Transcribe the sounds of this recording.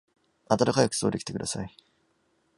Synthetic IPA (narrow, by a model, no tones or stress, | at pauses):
at̪at̪akajakɯ̟̥so̞ːd̪e̞kʲi̥t̪ekɯ̟d̪asai